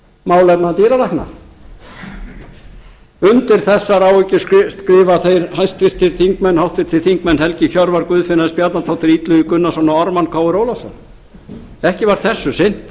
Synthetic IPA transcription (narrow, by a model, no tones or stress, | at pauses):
maːwlɛp̪nat̪iːɾalajhkna̰ | ʏnt̪ɪɾ̥θɛsːaɾawʏcɪsskɾɪːvaθejɾhajst̪fɪr̥t̪ʰːɪɾ̥θiŋkmɛnːhawht̪fɪɾ̥t̪ʰːɪθiŋkmɛnːhɛlcɪçœɾvaɾkvʏːðfɪnːaðspjat̪nat̪ʰawht̪ɪɾit̪lʏikʏnːasɔnaɔɾmankʰaːwɪɾoːwlasɔn | ɛhcɪvaɾ̥θɛsːʏsɪn̥t̪